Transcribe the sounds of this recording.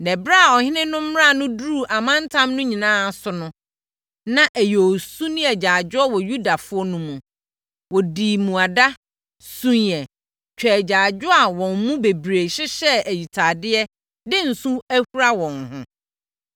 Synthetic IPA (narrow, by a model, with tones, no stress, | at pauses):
nɛ˨bɾa˦˨ɔ˨hɪ̃˦nɪ̃˦nʊ̃˦m̩˦a˦˨nʊ̃˦du˦˨ʔa˨mã˦n̩˦tʰã˦mnʊ̃˦ɲĩ˨nãː˦˨sʊ˨nʊ̃˦ | nã˦˨ʔæ˨jo˨o˨su˦nɪ̃˦ɛ˨d͡ʑaː˨d͡ʑʊ˦ɔ˦wɔ˨ju˦da˨fʊ˦ɔ˦nʊ̃˦mũ˨ | wɔ˨diː˨mũ˨a˨da˦ | sũ˦n˦ɛ˨ | t͡ɕᶣɛ˨d͡ʑaː˨d͡ʑᶣʊ˦a˨wɔ̃˨mmũ˦be˨bɾe˨ɕɪ˦ɕɛ˦æ˨ji˨tʰaː˨dɪ˦ɛ˦ | dɪ˦n̩˨sũ˦æ˦hu˦ɾa˦wɔ̃˨nhʊ̃˦